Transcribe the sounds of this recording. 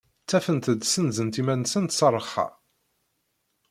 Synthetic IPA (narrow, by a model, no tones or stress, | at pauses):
t͡sːæfənt̪əd̪sənzənt̪imænːsənt̪sɑrˤːəχɑ̰